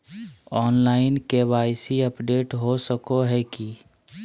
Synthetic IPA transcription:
ɔːnlaːɪnkewaːɪsiəpɖeːʈɦosəkoɦɛki

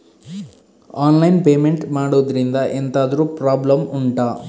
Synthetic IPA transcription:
aːnlɐjnpeːmeɳʈmaːɽuʋɐd̪ɐɾind̪ɐʔent̪aːd̪ɐɾuːpɾaːblɐmuɳʈaː

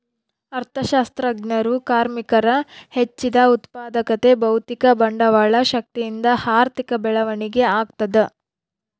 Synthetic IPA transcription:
ɐɾt̪ʰɐʃaːst̪ɾɐɡnɐɾukaːɾmikɐɾɐhet͡ʃːid̪ɐut̪paːd̪ɐkɐt̪e̞bɐwt̪ikɐbɐɳɖɐʋaːɭɐʃɐk̚t̪ijind̪ɐhaːɾt̪ikɐbɛɭɐʋɐɳiɡe̞aːɡt̪ɐd̪e

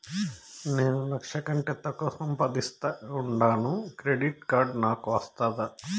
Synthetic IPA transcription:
neːnulɐkʂɐkɐɳʈɛt̪ːɐkɔːsɐmpɐd̪ist̪ɐuɳɖaːnukɾeɖiʈkaːɾɖnaːkʋɐst̪aːd̪ɐ

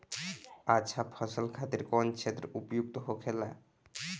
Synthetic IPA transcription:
aʃʰapʰʌsəlkʰat̪iɾkɔnt͡ʃʰet̪ːɾoupojuk̚t̪oɦokʰela

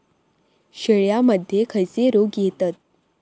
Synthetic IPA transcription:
ɕəɭjaməd̪ʱjekʰəjt͡seɾoɡjet̪at̪̚

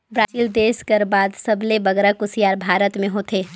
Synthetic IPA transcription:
bɾaːd͡ʒiːld̪eːskɐɾbaːd̪sɐblebɐɡɾakʊsijaːɾbʱaːɾət̪mẽɦoːt̪ʰeː

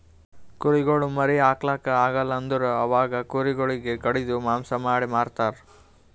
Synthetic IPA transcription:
kuɾiɡoɭumɐɾiaːklaːkɐaːɡɐlːɐnd̪ɐɾuɐʋaːɡɐkuːɾiɡoɭiɡekɐɽid̪umaːmsɐmaːɽimaːɾt̪aːɾ

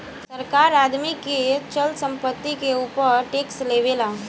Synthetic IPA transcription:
səɾkaːɾaːd̪miket͡ʃəlsə̃mpət̪ːikeuːpəɾʈeːksleːʋeːlaː

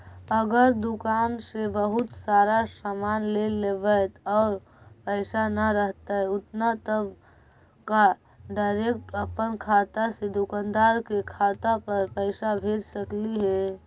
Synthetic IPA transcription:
əɡəɾd̪ʊkaːnsebəɦʊt̪saːɾasamaːnlelebət̪ɔːɾ | pəɪsanəɾəɦt̪aɦɛʊt̪nat̪əb | ka | ɖaɪɾekʈəpənkʰaːt̪ased̪ʊkãːnd̪aːɾkekʰaːt̪apəɾpəɪsabʱeːɾsəkliɦɛ

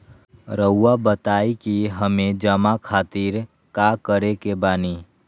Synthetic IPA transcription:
ɾəuabət̪aːikiɦəmed͡ʒəmakʰaːt̪iɾ | kakəɾekebaːni

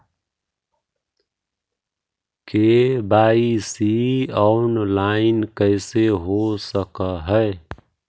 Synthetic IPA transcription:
kebaːisiɔʊnlaɪnkəɪseɦosəkəɦəe

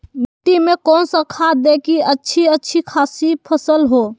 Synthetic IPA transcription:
biʈimekɔːnsə̃kʰad̪ekiətːʃʰiətːt͡ʃʰikʰasipʰəsəlɦo

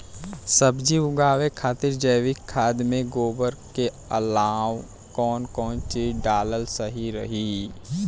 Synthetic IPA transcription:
sɐbd͡ʒiʊɡaːʋekʰaːt̪ɪɾd͡ʒəjʋɪkʰːaːd̪mẽɡoːbəɾke | ɐlaːw | kɔːnkɔːnt͡ʃeɖaːləlsɐɦiɾɐɦiː

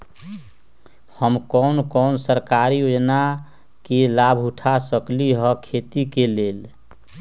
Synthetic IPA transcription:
həmkɔnkɔnsəɾkaɾijod͡ʒna | kelabʱuʈʰasəkliɦəkʰet̪ikelel

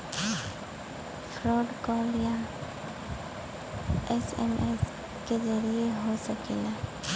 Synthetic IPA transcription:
fɾɔːɖkɔːlja | ɛsɛ̰mʔɛs | ked͡ʒəɾieɦosɐkina

